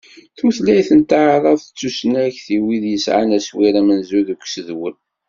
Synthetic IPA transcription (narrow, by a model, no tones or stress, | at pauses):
θməθlæjθənt̪aʕðˤɑðˤθə̥t͡sːusnæçθiwiðjəsʕa̰næswiɾæmənzuðukʷːsəðwəl